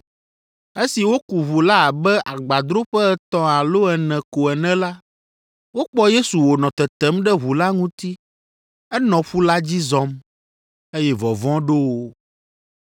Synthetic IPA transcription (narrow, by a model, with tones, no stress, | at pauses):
e˦si˨wo˦ku˨βu˨la˦a˨bɛ˦ʔa˨ɡ͡ba˨d̪ɾo˦ɸɛ˦ɛ˨t̪ɔ̃˦a˨lo˦ɛ˨nɛ̃˨ko˨ɛ˨nɛ̃˦la˦ | wo˦k͡pɔ˦je˦su˨wo˨nɔ̃˨t̪ɛ˨t̪ɛ˦mɖɛ˦ɦu˨la˦ŋũ˦t̪i˦ | ɛ˦nɔ̃˨ɸu˦la˦d͡ʑi˦zɔ̃˦m | e˦jɛ˦vɔ˨vɔ̃˦ɖo˦wo˦